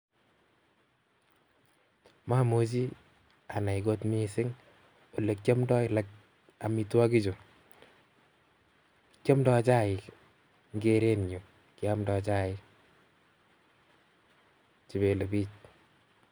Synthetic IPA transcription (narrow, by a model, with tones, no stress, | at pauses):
ma˦mo˦t͡ʃ̬i˦ | a˨na˨iɡo˦tmi˦sɪ˦ŋ | o˨le˨kt͡ʃɔ˦mdɔ˦ɪla˦k | a˨mi˨twa˦ki˦t͡ʃo˨ | t͡ʃjɔ˦mdɔ˧t͡ʃa˦ɪ˨ | ŋɡe˦ɾe˦njo˨ | kɪ˨a˦mdɔ˨t͡ʃa˦ɪ | t͡ʃi˨βe˨le˨biː˦t͡ʃ